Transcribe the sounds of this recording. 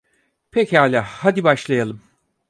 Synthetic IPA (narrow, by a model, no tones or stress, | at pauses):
pʰɛchaːlʲaːhad̪ibaʃlˠajalˠɯm